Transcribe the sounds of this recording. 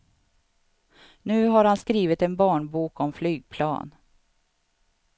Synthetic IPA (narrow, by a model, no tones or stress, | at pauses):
nʉ̟ːɦaɾhanskɾiːvət̪ɛnbɑːɳbuːkɔmflyːɡ̚pʰlɑ̰ːn